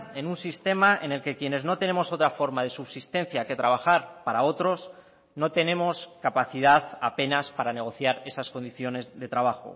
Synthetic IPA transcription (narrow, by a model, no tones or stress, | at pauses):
e̞nunsist̪e̞maʔe̞̰ne̞lke̞kje̞ne̞zno̞t̪e̞ne̞mo̞so̞t̪ɾafo̞ɾmað̞e̞suβsist̪ẽ̞nθjake̞t̪ɾaβ̞axaɾpaɾao̞t̪ɾo̞s | no̞t̪e̞nẽ̞mo̞skapaθið̞aðape̞naspaɾane̞ɣ̞o̞θjaɾe̞sasko̞nd̪iθjo̞ne̞zðe̞t̪ɾaβ̞axo̞̰